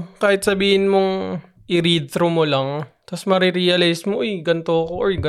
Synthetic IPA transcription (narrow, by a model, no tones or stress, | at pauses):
kaːhɪt̪̚sɐbiːhɪnmoŋ | ʔɪɾiːd̪̚t̪ɾomolɐŋt̪ɐsmɐɾiɾiːɐlajsmoʔojɡɐnt̪oɐkoʔːjɡɐ